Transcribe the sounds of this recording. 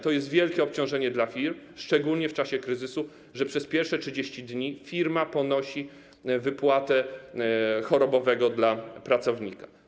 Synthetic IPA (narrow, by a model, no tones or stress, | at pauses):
t̪ɔjɛst̪vʲjɛlkʲɛɔpt͡ɕɔ̃w̃ʐɛɲɛd̪lafʲiɾmʂt͡ʂɛɡulɲɛft͡ʂaɕɛkɾɘzɘsu | ʐɛpʂɛspʲjɛɾfʂɛtʂɘd͡ʑeɕt͡ɕid̪ɲifʲiɾmapɔnɔɕi | vɘpwat̪ɛ | xɔɾɔbɔvɛɡɔd̪lapɾat̪sɔvɲikḁ